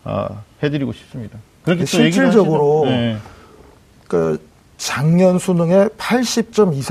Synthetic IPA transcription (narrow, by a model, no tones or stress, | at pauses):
a̰hedɯɾiɡoɕʰi̥p̚s͈ɯmɲida | kɯɾkeɕʰit͡ɕʰiɭd͡ʑʌɡɯɾo | k͈a | t͡ɕaŋɲʌnsʰunɯŋe̞pʰaɭɕ͈ip̚t͡ɕ͈ʌmisʰ